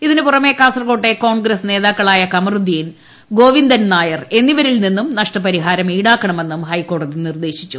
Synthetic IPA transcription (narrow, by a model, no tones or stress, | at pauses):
iðinɨpurɐme̞kaːsɐrɐɣo̞ːʈːeko̞ːɳɡɾɐsne̞ːðaːkːɐɭaːjɐkɐmɐrud̪ijin | ɡo̞ːʋind̪ɐnnaːjɐre̞nːiʋɐɾilninːumnɐʂʈɐpɐɾiɦaːɾɐmiːɽaːkːɐɳɐme̞nːumhɐjkːo̞ːɽɐðinird̪e̞ːɕit͡ɕːu